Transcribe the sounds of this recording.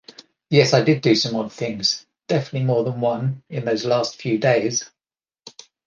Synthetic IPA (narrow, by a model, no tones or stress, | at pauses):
jɛsaɪdɪdɨsə̃mɒd̪̚θɪ̃ŋz̥ | d̥ɛfənəʔˡlimɔːðə̃nwʌ̃nɪ̃nðəʊzlɑˑstfjʉːdeɪz̥